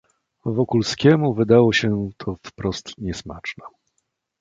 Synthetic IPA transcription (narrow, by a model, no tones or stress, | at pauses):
vɔkulskʲɛmuvɘd̪awɔɕɛt̪ʰɔfpɾɔst̪ɲɛsma̰t͡ʂnɛ